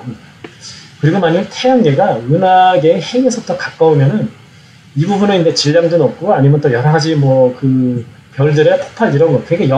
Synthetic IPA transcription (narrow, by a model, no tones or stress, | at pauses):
ɯ | kɯɾiɡomaɲiɭtʰejaŋɡe̞ɡaɯnaɡe̞heŋe̞sʰʌtʌkak͈aumjʌnɯn | ibubunɯnind͡ʑe̞t͡ɕiʎːaŋdunʌp̚k͈uaɲimjʌnt͈ojʌɾaɡad͡ʑimwʌkɯ | pjʌɭdɯɾe̞pʰo̥pʰadiɾʌnɡʌkɯeɡejʌ